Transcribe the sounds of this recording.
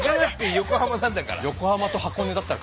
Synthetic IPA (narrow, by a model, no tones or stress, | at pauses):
ɡanakɯ̥t̪ːejo̞ko̞hamanãnd̪aka̰ɾa̰jo̞ko̞hamat̪o̞hako̞ned̪at̪ːaɾa